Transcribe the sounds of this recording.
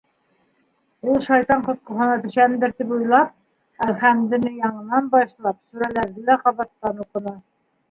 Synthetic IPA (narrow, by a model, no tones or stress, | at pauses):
ulˠʃɑjt̪ɑɴqŏθqŏɦɤ̆nɑt̪ɵ̆ʃænd̪ɘɾt̪ipujlˠɑp̚ | æχæmd̪ɘ̆nɘjɑɴɤ̆nɑnbɑʃlˠɑp̚sʉɾælæɾðɘlæqɑβɑt̪ːɑnuqɤ̆nɑ